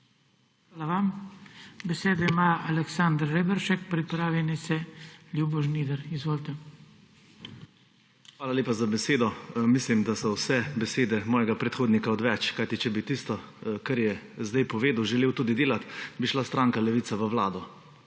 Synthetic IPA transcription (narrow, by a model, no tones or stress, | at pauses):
xʋaːlaʋam | bɛseːd̪ɔimaalɛksand̪ɾːebɛɾʃɛkpɾipɾaːʋjɛnisɛljubɔʒniːd̪ɛɾizʋoːlt̪ɛ | xʋaːlalʲeːpazabɛseːd̪ɔmislimd̪asɔwsɛbɛseːd̪ɛmɔːjɛɡapɾɛt̪xoːd̪nikaɔd̪ʋɛt͡ʃkajt̪it͡ʃɛbit̪ist̪ɔkaɾjɛzd̪ajpɔʋeːd̪uwʒɛleːwt̪uːd̪id̪eːlat̪biʃlast̪ɾaːŋkalɛʋiːt̪saʋəʋlaːd̪ɔ